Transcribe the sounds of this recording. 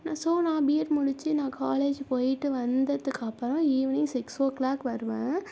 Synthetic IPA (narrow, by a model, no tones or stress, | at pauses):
nãːsoːnaːbɪjɛʈmʊɽɪt͡ʃːɯnãːkaːleːd͡ʒpoːjɪʈːɯʋɐnd̪ɐðɯkːɐpːɐɾõiːʋnĩsɪksoːklaːkʋɐɾɯʋẽː